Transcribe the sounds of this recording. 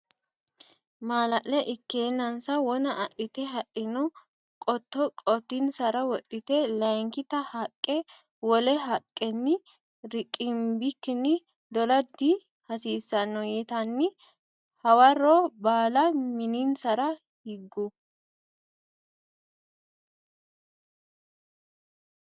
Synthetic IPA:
maːlɐʔlɛʔɪkːeːnːɐnsɐwɔnɐʔɐʔɪt̪ɛɦɐʔɪnɔ | kʼɔt̪ːɔkʼɔt̪ːɪnsɐɾɐwɔᶑɪt̪ɛlɐŋkɪt̪ɐhɐkʼːɛ | wɔlɛɦɐkʼːɛnːɪ | ɾɪkʼːɪmbɪkːɪnːɪ | d̪ɔlɐd̪ːi | hɐsiːsːɐnːɔjɛt̪ɐnːɪ | hɐwɐroːbaːlɐmɪninsɐɾɐ | hɪɡːʊ

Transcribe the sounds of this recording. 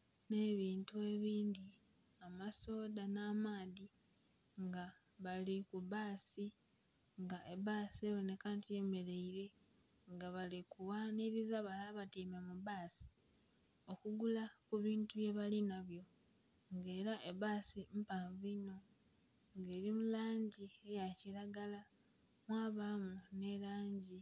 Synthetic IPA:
ne̞βiːntue̞βiːndi | amaso̞ːdanaːmaːði | ŋɡa | βalikuβaːsi | ŋɡaʔeβaːsie̞βo̞ne̞kantime̞ɾe̞iɾe̞ | ŋɡaβalikuwaːniɾizaβalaβatiːmamuβaːsi̥ | okuɡulakuβiːntuje̞βalinaβjo̞ | ŋɡe̞ːɾaʔeβaːsim̩paːɱvino̞ | ŋɡe̞ːɾimulaːɲɟie̞jaciɾaɡala | mwaːβamune̞laːɲɟi

